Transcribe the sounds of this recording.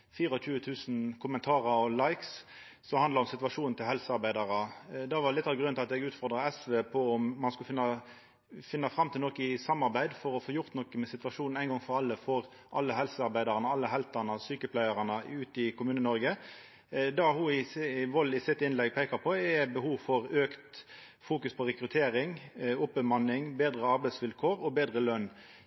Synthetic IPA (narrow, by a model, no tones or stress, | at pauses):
fiːɾɔc͡çʉːət̪ʰʉːsn̩kʰʊmənt̪ʰɑːɾəɾɔlɑɪks | sɔhɑnd̪lɑʁɔmsɪt̪ʋɑʂuːnn̩t̪ʰɪlhɛlsəɑʁbæɪd̪ɑʁəd̪ɑʋɑlɪt̪ːɑːʋɡɾʉnɪlɑt̪ɛɡʉːt̪fɔʁd̪ʁɑɛsʋeːpʰɔɔmmɑnskʉfɪnːɑ | fɪnːɑfɾɑmːt̪ʰɪlɔkːəɪsɑmːɑʁbæɪd̪fɔɾɔfoːjʊʁt̪nɔkːəmɛsɪt̪ʋɑʂuːnn̩æɪnɡɔŋfɔʁɑlːəfɔʁ | ʔɑlːəɦɛlsəɑɾʁbæɪd̪ɑʁənəɑlːəɦɛlt̪ɑnəsyːkəpʰlæɪɑʁɑnəʉːt̪ɪkʰʊmʉːnənɔɾɡə | d̪ɑhʊɪʋɔlːɪsɪt̪ːɪnlɛɡpʰeːkɑʁpʰɔɛbəhuːʋfɔʁøːkt̪ | fuːkʉspʰɔʁɛkɾʉt̪ʰeːɾɪŋʊpːəmɑnːɪŋbeːd̪ʁəɑɾbæɪsʋɪlkʰoːʁɔbeːd̪ʁəlœnː